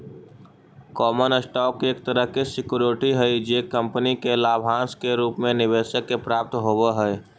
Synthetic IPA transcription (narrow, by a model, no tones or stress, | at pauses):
kɔːmənəsʈɔːkeːk̚t̪əɾəɦkesɪkuɾoʈiɦɛid͡ʒeːkːə̃mpənikelaːbʱɦãːskeɾuːpmẽnɪʋeːʃəkːepɾaːp̚t̪ɦoːweɦɛ